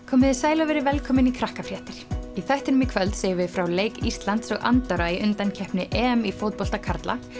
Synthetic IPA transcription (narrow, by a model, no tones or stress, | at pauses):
kʰɔːmɪðɪsaːjlavɛɾɪvɛlkʰɔːmɪnikʰɾahkafɾjɛːht̪ɪɾ̥iθɛht̪ɪnʏmːɪkʰvœlt̪seːjɪvɪfɾawleːjkirst̪lant̪sɔɣa̰nt̪œɾaiʔʏnt̪ancʰɛhpnɪʔɛmifowt̪̚pɔl̥t̪akʰaɾt̪lʔa̰